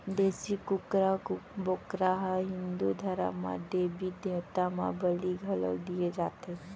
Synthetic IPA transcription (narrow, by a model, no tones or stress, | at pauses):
d̪esikukɾabokɾaɦɛɦind̪ud̪ʱəɾa̰ma̰d̪ebid̪et̪ama̰bəliɡʱələ̰ld̪ied͡ʒaːt̪eɦɛ̃